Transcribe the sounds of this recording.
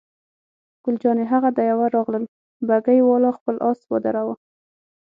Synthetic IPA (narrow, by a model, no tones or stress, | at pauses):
ɡ̥ʊld͡ʒɑneɦaɣad̪ajawaɾɑɣləl | baɡajwɑlɑxpəlʔɑswə̰d̪aɾawa